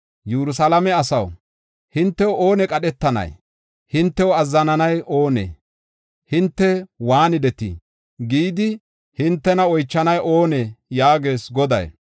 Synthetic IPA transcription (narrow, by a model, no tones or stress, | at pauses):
jɛɾʊs̬alɐmɛɐsɐw | hɪnt̪ːɛwoːnɛkʼɐɗɛt̪ːɐnɐ̰j | hɪnt̪ːɛwɐzːɐnɐnɐjʔoːnḛ | hɪnt̪ːɛwaːnɪd̪ɛt̪ḭ | ɡiːd̪ɪ | hɪnt̪ːɛnɐɔjt͡ʃːɐnɐjʔo̞ːnɛjaːɡe̞ːsɡɔd̪ɐ̰j